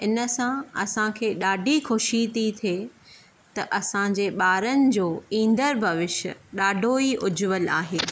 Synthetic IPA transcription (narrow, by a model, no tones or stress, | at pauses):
ɪnəsãɐ̰sãkʰeːɗaːɖʱixʊʃit̪it̪ʰieː | t̪ɐʔɐsãd͡ʑeːɓaːɾənɪ̆d͡ʑoːĩːnd̪əɾbʱɐʋɪʃə̰ɗaːɖʱoːiʔʊd͡ʑʊʋəla̰ːɦeː